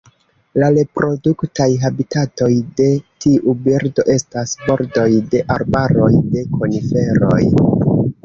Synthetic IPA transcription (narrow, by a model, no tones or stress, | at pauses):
laɾe̞pɾo̞duktajɦabitato̞jde̞tiʔubiɾdo̞ʔe̞stasbo̞ɾdo̞jde̞ʔaɾbaɾo̞jde̞ko̞nife̞ɾo̞̰j